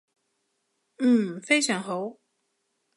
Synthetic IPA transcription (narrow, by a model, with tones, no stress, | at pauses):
n̩˥˩fe˥ɪjt͡ɕʰɑ˨˥˦ŋɦo˨˥w